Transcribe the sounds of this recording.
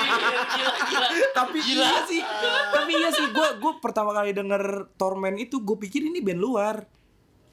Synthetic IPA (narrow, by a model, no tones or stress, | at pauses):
t̪apiaasɪht̪apiijasɪhɡuaɡuapərt̪amakalidəŋərt̪ɔrmɛnit̪uɡuapikɪrinibɛnluar